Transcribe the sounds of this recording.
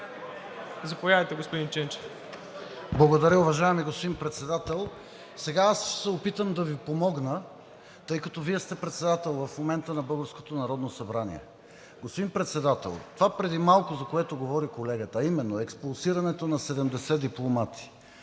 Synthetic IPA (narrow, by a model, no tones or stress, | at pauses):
zɐpovjavɐjt̪ɛɡospod̪int͡ʃɛnt͡ʃɛf | blˠɐɡod̪ɐɾʲəʊvɐʒaɛmiɡospod̪inpɾɛt̪sɛd̪at̪ɛlˠ | sɛɡaassɛopit̪əmd̪ɐvipomɔɡnə | t̪ɤjkɐt̪ɔviɛst̪ɛpɾɛt̪sɛd̪at̪ɛlˠvɐfmomɛnt̪ənɐbɤlˠɡəɾsko̥t̪onɐɾɔd̪nosɐbɾanḭɛ̰ | ɡospod̪impɾɛt̪sɛd̪at̪ɛ̰lˠt̪ovapɾɛd̪imalˠkʊzɐkoɛt̪oɡovɔɾikolɛɡət̪əːimɛnːoɛkspulˠsiɾɐnɛt̪onɐsɛd̪ɛmd̪ɛsɛd̪iplˠomat̪i̥